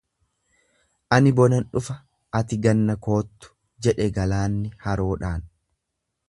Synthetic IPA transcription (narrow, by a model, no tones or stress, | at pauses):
ʔɐnɪbɔnɐnᶑʊfɐ | ɐt̪ɪɡɐnːɐko̞ːt̪ːʊ̥ | d͡ʒɛᶑɛɡɐlaːnːɪhɐɾo̞ːᶑaːn